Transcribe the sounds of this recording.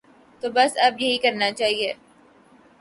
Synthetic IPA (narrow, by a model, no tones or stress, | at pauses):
t̪oːbɐsɐbjɐɦikɐɾnat͡ʃaːɦieː